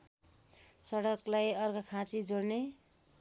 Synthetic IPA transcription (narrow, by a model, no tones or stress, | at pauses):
sʌɽʌklajʌrkʌkʰãt͡sid͡zoɽne